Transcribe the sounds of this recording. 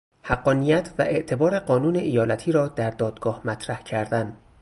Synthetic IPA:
hæɢːɒːnijæt̪ʰvæʔe̞ʔt̪ʰe̞bɒːɾe̞ɢɒːnuːneʔijɒːlæt̪ʰiːɾɒːd̪æɾd̪ɒːd̪ɡ̥ɒːhmæt̪ʰɾæhcʰæɾd̪æn

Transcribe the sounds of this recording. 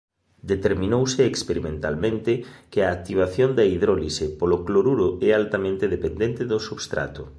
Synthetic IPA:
d̪et̪eɾmĩnowseːkspeɾimẽnt̪a̰lmẽnt̪ɪkeaːk̚t̪iβ̞aθjond̪ɐiðɾolisepolokloɾuɾʊɛalt̪amẽnt̪eðepend̪ent̪eðosuβst̪ɾa̰t̪ʊ

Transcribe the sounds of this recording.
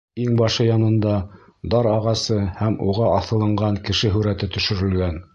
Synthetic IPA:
iŋbɑʃɤjɑnɤ̆nd̪ɑ | d̪ɑɾɑʁɑsɤhæmuʁɑʔɑθɤ̆lˠɤ̆ɴɢɑŋkɘ̆ʃɘɦɵ̆ɾæt̪ɘt̪ɵ̆ʃɵ̆ɾɘ̆lɡæn

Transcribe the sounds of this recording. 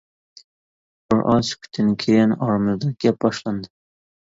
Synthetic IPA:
b̥ɪɾʔɒskʰʊ̥t̪ʰɪnɪkʲʰeanɒɾmɪzd̪aɡ̥ʲap̚bɒʃland̪ɪ

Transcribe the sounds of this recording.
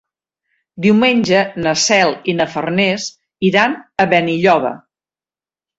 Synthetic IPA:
d̪iwmenʲʒənəsɛlˠinəfərnes | iɾanəβɛniʎɔβ̞ə̰

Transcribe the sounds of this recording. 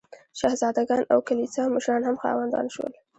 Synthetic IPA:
ʃahzɑd̪aɡɑnʔa̰wkanit͡sɑmʊʃɾɑnhamxɑ̰wand̪ɑ̰nʃwə̰l

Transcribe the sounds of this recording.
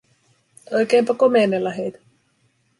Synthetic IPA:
ojkeːmpɑkomenelːɑɦejt̪æ̥

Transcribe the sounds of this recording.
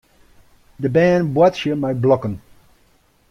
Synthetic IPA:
d̪əbæːnbwatʃjəmajblɔkən

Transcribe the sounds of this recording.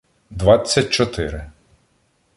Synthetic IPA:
d̪ʋɑt͡sʲːɐt̚ʲt͡ʃɔt̪ɪɾɪ

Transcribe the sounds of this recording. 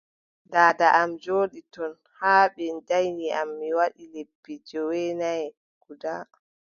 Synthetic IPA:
ndaːdaʔamd͡ʒoːɗitɔn | haːɓɛndajniʔamːiwaɗilepːid͡ʒɔwɛnajɛ | ɡ̥uda

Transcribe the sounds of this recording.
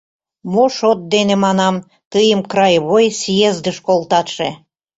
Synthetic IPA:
moʃot̪̚d̪enemɑnɑm | t̪əjəmkrɑjβojsijezd̪əʃkolˠt̪ɑt̪ʃe

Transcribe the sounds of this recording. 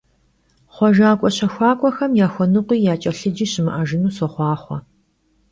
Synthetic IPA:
χʷɔʒaːkʷʼɔɕɐxʷɑːkʷʼɔxɐmjaːxʷɔnɨqʷiːjaːt͡ʃʼɐɬɨd͡ʒiːɕɪmɨ̰ʔɐʒɪnuːsɔχʷɑːχʷɔ

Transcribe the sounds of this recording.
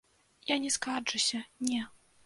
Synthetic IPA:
janʲɛskad͡ʐɨsʲɐnʲɛ

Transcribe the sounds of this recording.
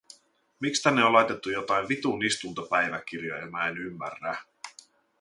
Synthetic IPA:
mikst̪ænːeolɑjt̪et̪ːujot̪ɑjnʋit̪unist̪unt̪opæjʋæk̟irjo̰jemæenymːæ̰rːæ

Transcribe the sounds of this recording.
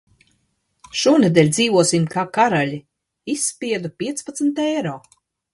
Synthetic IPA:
ʃuːned̪ɛːlʲd̪ziːvuɔsimkʰaːkaɾaʎi | isːpʲiɛd̪upʲiɛt̪spat̪sn̩t̪ɛjɾɔː

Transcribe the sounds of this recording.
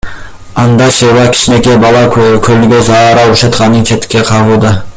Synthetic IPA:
ɑnd̪ɑʃewɑkʲʰɪ̥ʃnekʲebɑlˠɑkkʲʰɵɾlɪɡʲezɑɾɑwʊʃɑt̪qɑnːəŋt͡ʃʰet̪ːɪ̥kʲːeqʰɑʁulˠd̪ə

